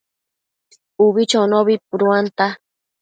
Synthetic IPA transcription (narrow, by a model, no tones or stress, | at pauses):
uβit͡ʃonoβip̚uɾuant̪a